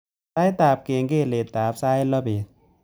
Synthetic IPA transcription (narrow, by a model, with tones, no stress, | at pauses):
sa˦˥jt̪aː˨˦p̚keː˨˩ŋkeː˦˧˩le˨˩t̪̚t̪aː˨˦p̚saː˦jlɔ˦be˨˩˦